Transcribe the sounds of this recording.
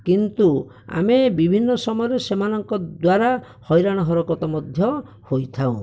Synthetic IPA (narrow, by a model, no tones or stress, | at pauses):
kint̪u | a̰mebibʱinːɔsɔmɔjɔɾesemanɔŋkɔd̪waɾa | hɔjɾaɽ̃ɔɦɔɾɔkɔt̪ɔmɔd̪ʱjɔ | hojt̪ʰaṵ̃